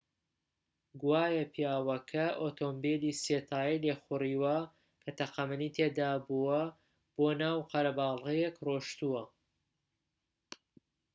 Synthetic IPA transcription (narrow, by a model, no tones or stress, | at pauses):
ɡwaːjɐpʰjaːwɐkʰɐʔot̪ʰombeliset̪ʰaːjilexʊriːwɐ | kʰɐt̪ɐqɐmɨnit̪ʰed̪aːbuwɐ | b̥oːnaːwqɐɾɐbaːlˠɣɐjekroːʃt̪uwɐ